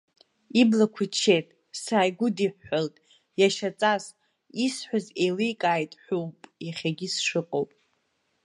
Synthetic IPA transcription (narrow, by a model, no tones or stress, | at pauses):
iblakʷʰʊt͡ʃʰːejtʼ | saːjɡʷʊdiħːaltʼ | jaʃat͡sʼaz | isħʷᶣazejlijkʼaːjtʼħʷᶣupʼjaχʲaɡʲisʂɨqʼowpʼ